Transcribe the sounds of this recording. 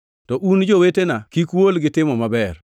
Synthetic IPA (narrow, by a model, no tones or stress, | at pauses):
tɔʔund͡ʒowetenakikwolɡɪtɪmɔmabɛr